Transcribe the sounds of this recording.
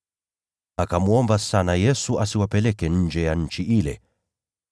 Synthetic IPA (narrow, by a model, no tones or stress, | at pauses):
akamuɔmbasanajɛsuʔasiwapɛlɛkɛɲ̩d͡ʒɛjaɲ̩t͡ʃiʔilɛ̰